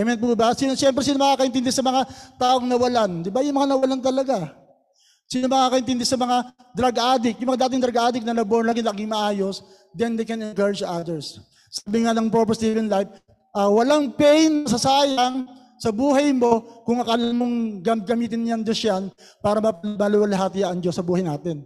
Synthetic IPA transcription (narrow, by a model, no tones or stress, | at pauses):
ɛmɛnt̪̚mubasinoʃjɛmpɾɛsiːnomɐkaːkɐʔɪnt̪ɪnd̪ɛsɐmɐŋat̪aːʔo̞ŋnɐwɐland̪ɪbajʊŋmɐŋanɐwɐlant̪̬ɐlɐɡa | siːnomɐkaːkɐʔɪnt̪ɪnd̪ɛsɐmɐŋa | d̪ɾɐɡʔaːd̪ɪk̚jʊŋmɐŋad̪aːt̪ɪŋd̪ɾɐɡʔaːd̪ɪk̚nɐlɐbonlaːɡɪlaːɡɪŋmɐʔaːjo̞s | d̪ɛnd̪ejkɛnɪnkaɹɪd͡ʒʔad̪ɛɹsː | aːbɪŋanɐŋpopɛst̪iːvɛnlajf | ʔɐwɐlaŋpɛjnːɐsɐsaːjaŋ | sɐbuːɦɐjmo̞kʊŋɐkalɐlmoŋɡɐmɡɐmiːt̪ɪnjaŋd͡ʒosjan | paːɾɐmɐmɐlɪwɐlɐɦaːt̪ɪjaʔɐŋd͡ʒosːɐbuːhɐjnaːt̪ɛn